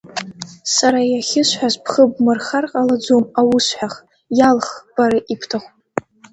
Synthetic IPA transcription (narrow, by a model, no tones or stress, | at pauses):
saɾajaχʲɪʃʷħʷazpʰχəbmɨrχarqʼalad͡zomawʊsħʷᶣaχ | jalχb̥aɾaʔipʰtʰaχʷ